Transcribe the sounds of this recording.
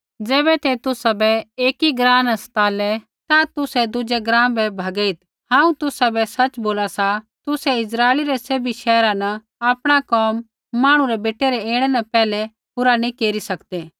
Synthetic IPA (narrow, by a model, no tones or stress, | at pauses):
d͡zɛːbɛt̪ɛt̪ʊsabɛeːkiɡɾãːnɐst̪aːlɛ | t̪at̪ʊsɛd̪ʊd͡ʒɛɡɾãːmbɛbʱɐɡəit̪ | ɦãːũt̪ʊsabɛsɐt͡ʃboːlasa | t̪ʊsɛɪs̬ɾaːeliɾɛseːbiʃɛːɾãnɐ | aːpɽ̃akɔːmː | aːɽ̃ũɾɛbeːʈeɾɛeːɽ̃ɛnɛpɛːlɛ | pʊɾanĩkeːɾisɐkd̪eː